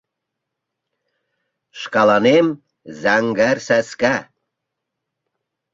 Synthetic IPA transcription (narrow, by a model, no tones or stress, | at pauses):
ʃkɑlɑnem | zæŋɡærsæskæ